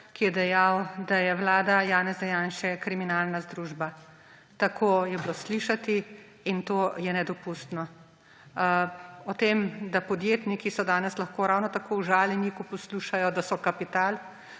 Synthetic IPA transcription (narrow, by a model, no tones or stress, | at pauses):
kijɛd̪ɛjawd̪ajɛʋlaːd̪ajaːnɛzd̪ɛjaːnʃɛkɾiminalnazd̪ɾuːʒba | t̪akʰoːjɛblosliʃat̪iː | nt̪oːjɛnɛd̪ɔpust̪nɔ | ɔt̪eːmd̪apɔd̪jeːt̪nikisɔd̪aːnɛslɐxkoːɾawnɔt̪akʰowʒaːlinikɔpɔsluʃajɔd̪asɔkapit̪aːl